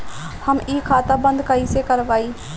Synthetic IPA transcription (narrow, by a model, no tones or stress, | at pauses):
həmiːkʰaːt̪aːbənd̪kaːiːseːkəɾʋaːiː